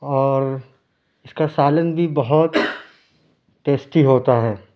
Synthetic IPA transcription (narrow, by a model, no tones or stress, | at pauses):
ɔːɾ | ɪskasaːlənbʱibɐɦʊt̪ | ʈeːsʈiɦoːt̪aɦɛː